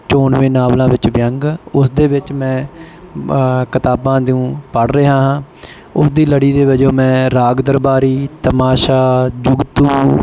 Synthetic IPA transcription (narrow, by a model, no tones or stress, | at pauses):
t͡ʃoːɳʋẽːnaːʋlãːʋɪt͡ʃʋjəŋɡʊsd̪eːʋɪt͡ʃmɛ̃ː | kɪt̪aːbãːd̪iũːpəɽɾəːɦaːɦãː | ʊsd̪iːləɽiːd̪eːʋəd͡ʒõːmɛ̃ːɾaːɡd̪əɾbaːɾiːt̪əmaːʃaːd͡ʒʊɡt̪uː